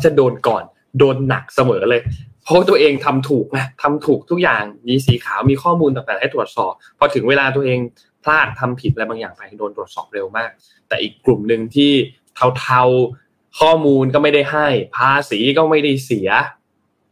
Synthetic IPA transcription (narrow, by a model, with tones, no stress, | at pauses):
t͡ɕa˨˩doː˧nkɔː˨˩n | doː˧nːa̰˨˩k̚sa˧mɤː˩˦lɤː˧jpʰɔ˦˥wa˥t̪u˧ɐʔeː˧ŋt̪ʰa˧mt̪ʰuː˨˩k̚ʔa˧˩t̪ʰa˧mt̪ʰuː˨˩k̚t̪ʰu˦˥k̚jaː˨˩ŋmiː˧s̬iː˩˦kʰaː˩˦wmiː˧kʰɔː˥˩muː˧nt̪aː˨˩t̪ɛː˨˩ha˥˩t̪ɾu˨˩ət̪̚sɔː˨˩p̚ʰːɔ˧t̪ʰɯ˩˦ŋweː˧laː˧t̪̬u˧ʔeː˧ŋ | pʰlaː˥˩t̪ʰːa˧mpʰi˨˩ɾa˧jbaː˧ŋjaː˨˩ŋpʰa˧jdoː˧nt̪ɾu˨˩ət̪̚sɔ̰ː˨˩p̚ɾe˧wmaː˥˩k̚ | t̪ɛ̰ː˨˩ʔiː˨˩kːlu˨˩mnɯ˧ŋt̪ʰiː˥˩ | t̪ʰa˧wt̪ʰa˧w | kʰɔː˥˩muː˧nkɔ˥˩ma˥˩jda˥˩jɦa˥˩jpʰaː˧siː˩˦kɔː˥˩ma˥˩jda˥˩jsi˨˩˦ɐ